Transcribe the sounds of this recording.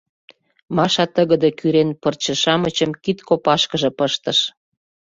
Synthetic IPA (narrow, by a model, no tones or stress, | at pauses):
mɑʃɑt̪əɣə̆d̪ekyɾenpərt͡ɕə̆ʃɑmət͡ɕəmkit̪kopɑʃkəʒɤ̆pəʃt̪ə̆ʃ